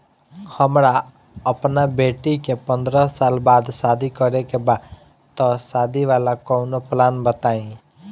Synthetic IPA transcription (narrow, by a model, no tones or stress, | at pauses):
həmɾa | əpnabeʈikepə̃nd̪ɾəsalbad̪sad̪ʱikəɾekeba | t̪ɔsad̪ʱiʋalakəʊnoplanbət̪aĩ